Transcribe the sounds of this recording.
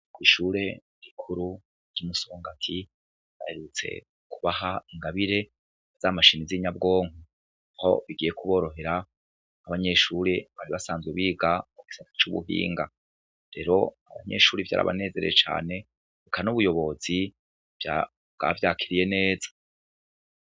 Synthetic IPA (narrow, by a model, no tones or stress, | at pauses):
ɡwiʃuːɾe̞ | ɾikʰuɾu | ɾjumusooŋɡatʰi | βaheɾut͡se̞̰ | kʰuβahaiŋɡaβiɾe̞ | z̥amaʃiniziɲab̚ɡo̞ːŋu | aho̞̰βiɡijekuβo̞ːɾo̞ɦe̞ɾaː | βaɲe̞ʃuːɾeβaɾiβasaːnzɡweβiːɡamuɡisatḁt͡ʃuβṵɦḭːŋɡa | ɾe̞ɾo̞̰aβa̰ɲe̞̰ʃuːɾivja̰ːɾa̰βa̰ne̞ːze̞ɾḛjet͡ʃa̰ːne̞ | ikʰanuβujo̞βo̞z̥i | vja | bɡ̥a̰vjaːkʰiɾije̞ne̞ːzḁ